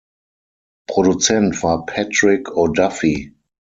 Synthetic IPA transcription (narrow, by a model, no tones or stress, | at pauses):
pʁ̥odut͡sɛntv̥aːpʰɛtʁɪkʰodafi